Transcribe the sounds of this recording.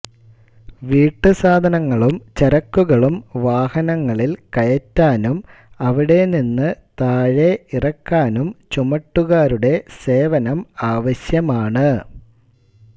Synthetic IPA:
ʋiːʈːɨsaːd̪ʱɐnɐŋːɐɭumt͡ɕɐɾɐkːuɣɐɭumʋaːhɐnɐŋːɐɭilkɐjɐtːaːnum | ɐʋiɽe̞ninːɨt̪aːɻe̞irɐkːaːnumt͡ɕumɐʈːuɣaːɾuɽe̞se̞ːʋɐnɐmaːʋɐɕjɐmaːɳɨ

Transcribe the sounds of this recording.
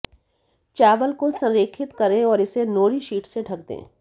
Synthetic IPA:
t͡ʃaːʋəlkosɐ̃nɾeːkʰɪt̪kɐɾẽɔːɾɪsenoːɾiʃiːʈseɖʱɐk̚d̪ḛ̃ː

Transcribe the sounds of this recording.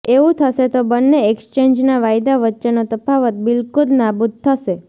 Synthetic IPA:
eʋũt̪ʰəʃet̪obənːeɛkst͡ʃeɲd͡ʒnaʋajd̪aʋətːʃenot̪əpaʋət̪̚bɪlkulnabud̪̚t̪ʰːəʃe

